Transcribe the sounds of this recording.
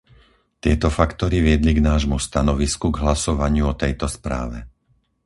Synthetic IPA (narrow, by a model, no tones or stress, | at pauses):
t̪ɪɛt̪ɔfakt̪ɔɾiʋɪɛd̪liɡnaːʒmust̪anɔʋiskuɡɦlasɔʋaɲɪuɔt̪ɛjt̪ɔspɾa̰ːʋɛ